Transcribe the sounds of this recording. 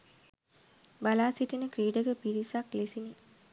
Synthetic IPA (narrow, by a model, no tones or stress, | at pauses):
balaːsiʈinəkɾiːɖəɡəpiɾisaklesini